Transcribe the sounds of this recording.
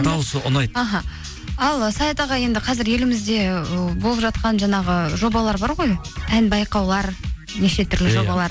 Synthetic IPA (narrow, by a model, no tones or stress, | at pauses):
d̪ɑwsəʊnɑjɑɦɑ | ɑlˠəsɑjet̪ɑʁɑje̞nd̪ɪqʰɑzɪɾje̞lɪmɪzd̪e̞bo̞lˠəpʒɑt̪̚qɑnʒɑɴɑʁəʒo̞bɑlˠɑɾbɑɾʁo̞jænbɑjqɑwlˠɑɾ | neʃe̞t̪ʰʏɾlɪʒo̞bɑlˠɑɾ